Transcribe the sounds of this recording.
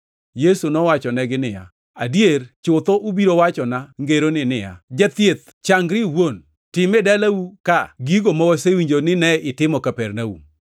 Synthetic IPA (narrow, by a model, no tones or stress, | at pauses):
jesunɔwat͡ʃɔnɛɡɪnɪja̰ | adjeɾt͡ʃʊt̪ɔʔubiɾowat͡ʃɔnaŋɡeɾonɪnɪja̰d͡ʒat̪jet̪̚ | t͡ʃaŋɡɾɪwon | tɪmɛdɛlawukaɡiɡomɔwɔsewiɲd͡ʒonɪnɛɪtɪmɔkapɛɾnaṵm